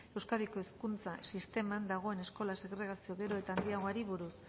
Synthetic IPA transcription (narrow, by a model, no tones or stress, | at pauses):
e̞wskaðiko̞eskunt͡sa̰sist̪e̞mand̪aɣ̞o̞e̞ne̞sko̞lase̞ɣɾe̞ɣ̞asio̞ɣe̞ɾo̞e̞t̪aːnd̪iaɣoaɾiβ̞uɾus